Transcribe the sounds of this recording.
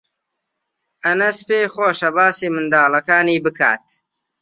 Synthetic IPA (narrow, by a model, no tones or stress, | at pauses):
ɐnɐspeːχoːʃɐbaːsiːmɨnd̪aːlɐkaːniːbɨkʰa̰ːt̪̚